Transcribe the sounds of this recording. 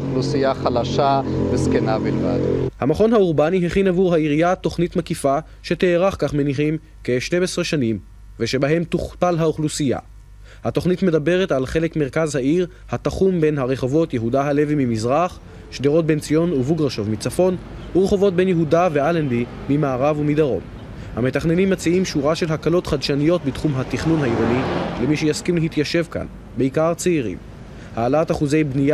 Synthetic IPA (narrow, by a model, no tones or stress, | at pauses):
lusijaχalaʃaveskenabilva̰dhamaχo̞nhauʁbaniɦeχinavuʁhaiʁijat̪o̞χnitmakifa | ʃeteːʁaχkaχme̞niχim | ke̞ʃtemesʁeʃanim | veʃe̞baɦe̞mt̪uχpalɦauχlusija̰ | hat̪o̞χnitme̞dabe̞ʁe̞talχe̞le̞kmeʁkazhaiʁ | hat̪aχumbe̞nɦaʁe̞χo̞vo̞tjeɦudaɦale̞vimimizʁaχ | ʃdeʁo̞t̚be̞nt͡sijo̞nuvuɡʁaʃovmit͡safo̞nuʁeχo̞vo̞t̚be̞njeɦudave̞alandimimaːʁavumid̪aʁo̞̰m | hame̞taχne̞nimːat͡siimʃuʁaʃe̞lɦakalo̞t̪χad̪ʃanijo̞t̚bitχumɦatiχnunhaiʁonilemiʃejaskimleɦit̪jaʃe̞vka̰n | beikaʁt͡seiʁḭm | haːlataχuze̞jbnia